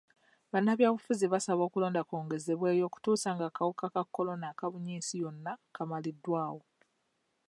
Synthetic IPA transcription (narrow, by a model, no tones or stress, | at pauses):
βanːaβjaːβufuziβasaβo̞ːkulo̞ːndako̞ːŋɡe̞ze̞βwe̞ːjo̞ːku̥tuːsaːŋɡaːkawukakakːo̞lo̞naːkaβuɲiːsijo̞nːakamalidːwaːwo̞